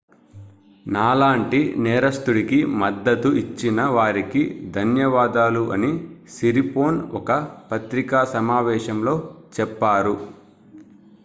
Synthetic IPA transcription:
naːlaːɳʈinɛːɾɐst̪uɽikimɐd̪ːɐt̪uit͡ʃːinɐʋaːɾikid̪ʱɐnjɐʋaːd̪aːluʔɐnisiɾipo̞ːnɔkɐpɐt̪ɾikaːsɐmaːʋɛːʃɐmlo̞ːt͡ʃɛpːaːɾu

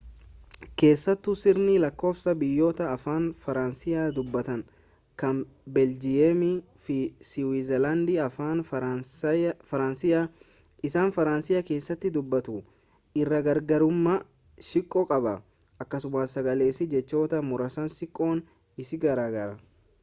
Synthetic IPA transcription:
ke̞ːsːɐt̪ːʊsɪɾnilɐkːo̞ːfsɐbɪjːo̞ːt̪ɐːfaːnfɐɾansɪjaːd̪ʊbːɐt̪ɐŋ | kɐn | bɛld͡ʒɪjɛmɪfɪsɪwizɛlɐnd̪ɪɐfaːn | fɐɾɐnsɪa | ɪsaːnfɐɾaːnsɪjake̞ːsːɐt̪ːɪd̪ʊbːɐt̪ʊ | ɪrːɐɡɐɾɡɐɾʊmːɐ | ʃɪkʼːɔkʼɐbɐ | ɐkːɐsʊmaːsɐɡɐleːsɪd͡ʒɛt͡ʃːo̞ːt̪ɐmʊɾɐsɐnsɪkʼːo̞ːn | ɪsɪɡɐɾaːɡɐɾɐ

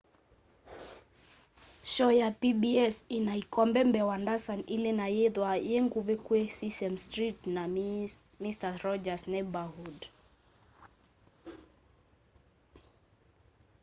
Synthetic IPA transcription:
ʃɔjapibiɛsinaikɔmbɛmbɛwandasanilɛnajɛðwajeŋɡuvɛkwesisɛmstɾitna | mistaɾɔd͡ʒasnɛbahud

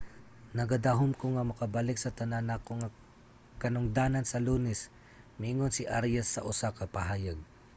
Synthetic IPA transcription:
nɐɡɐd̪aɦʊmkoŋamɐkɐbalɪksɐt̪ɐnanakoŋa | kɐnʊŋd̪aːnɐnsɐluːnɛs | mɪʔiŋonsɪʔaɾjasːɐʔʊsakɐpɐɦaːjaɡ̚

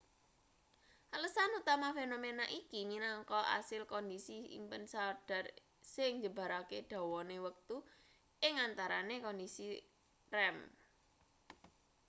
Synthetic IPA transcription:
ʔələsanut̪amafenomenaʔikiɲinaŋkɔʔa̰sɪlkɔndisiḭmpənsaɖ̥a̤r | sɪŋɲd͡ʒəb̥a̤ɾakeɖ̪̥a̤wɔnewək̚t̪u | ʔɪŋant̪aɾanekɔndisi | rɛm

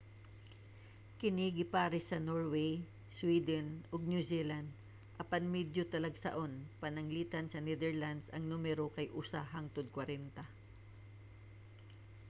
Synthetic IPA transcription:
kɪniɡɪpaɾɪsɐnoɹwej | swiːd̪ɛnoɡ̚njusiland̪̚ | ʔɐpanmɛd̪jot̪ɐlɐɡsɐ̰ʔo̞npɐnɐŋliːt̪ɐnsɐnɛd̪ɛɹland̪sɐŋnumɛɾokɐjʔusaɦaŋt̪od̪̚kwɐɾɛnt̪ɐ

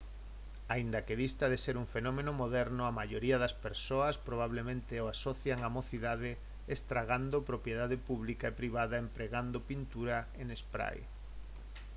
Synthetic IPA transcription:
aind̪akeðist̪aðeseɾuŋfenɔmẽnomoðɛɾnoamaʎoɾiaðɐspeɾsoɐspɾoβ̞aβlemẽnt̪eoasoθjaŋamoθiðaðɪ | est̪ɾaɣand̪opɾopjeðaðepuβlikaepɾiβaðaempɾeɣand̪opint̪uɾaenespɾa̰j

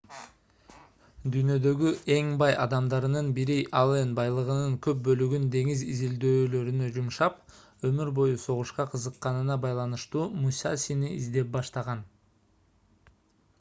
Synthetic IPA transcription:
d̪yjnø̞d̪ø̞ɡyʔe̞ŋbɑjʔɑd̪ɑmd̪ɑɾɯnɯnbiɾiʔɑlˠenbɑjlˠɯʁɯnɯŋkø̞p̚bø̞lyɡynd̪e̞ŋizizild̪øːlø̞ɾynød͡ʒumʃɑp | ø̞myɾbo̞juso̞ʁuʃqɑqʰɯzɯqːɑnɯnɑbɑjlˠɑnɯʃt̪uːmujsɑ̰siniizd̪e̞p̚bɑʃt̪ɑʁɑn

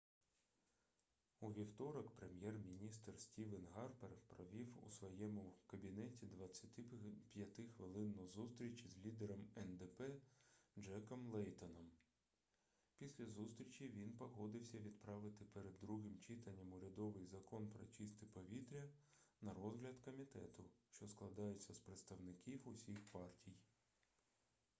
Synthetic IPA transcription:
uʋʲiwt̪ɔɾɐkpɾemʲjɛrmʲinʲist̪rsʲtʲiʋɪnɦɑrpeɾfpɾɔʋʲiwṵsʋɔjɛmʊkɐbʲinɛtʲid̪ʋɐt͡sʲːɐt̪ɪpʲjɐt̪ɪxʋɪlˠɪnːɔzust̪ɾʲit͡ʃʲizʲlʲid̪eɾɔmɛnd̪epɛd͡ʒɛkɔmlˠɛjt̪ɔnɔm | pʲisʲlʲɐzust̪ɾʲit͡ʃʲiʋʲinpɔɦɔd̪ɪwsʲɐʋʲid̪pɾɑʋɪt̪ɪpeɾed̪ːɾuɦɪmt͡ʃit̪ɐnʲːɐmʊɾʲɐd̪ɔʋɪjzɐkɔnpɾɔ̰t͡ʃist̪ɪpɔʋʲit̪ɾʲɐ | nɐɾɔzɦlʲɐd̪kɔmʲit̪ɛt̪ʊʃt͡ʃɔsklˠɐd̪ɑjʊt͡sʲːɐspɾet̪st̪ɐwnɪkʲiwʊsʲixpɑrtʲij

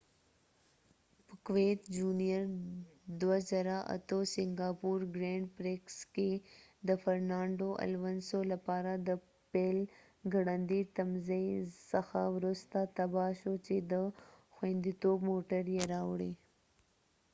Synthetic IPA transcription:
pəkwet̪d͡ʒuːnijəɾd̪wazaɾaʔa̰t̪osɪŋɡaːpuɾɡɾeːɳɖpɾeksked̪əfɐɾnɑːɳɖoʔa̰lʋənsolapaːɾad̪ə | peːl | ɡəɽənd̪it̪ɐmzesəxawɾʊst̪at̪ɐbaːʃot͡ʃed̪əxwẽnd̪it̪oːbmoːʈəɾjɐɾawɽi

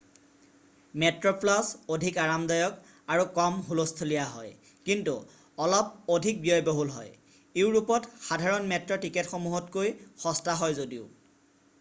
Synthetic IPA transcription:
mɛtɹɔplasodʱikaɹamdɔjɔk | aɹukɔmɦulostʰolijaɦɔ̰j | kintu | ɔlɔp̚odʱik̚bijɔjboɦulɦɔj | iʊɹupɔtxadʱaɹɔnmɛtɹɔtiketxomuɦɔtkojxɔstaɦɔjzodiʊ

